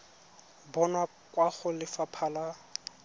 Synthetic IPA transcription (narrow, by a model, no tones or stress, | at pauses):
bɔna | kwaχʊlɪfapʰaːla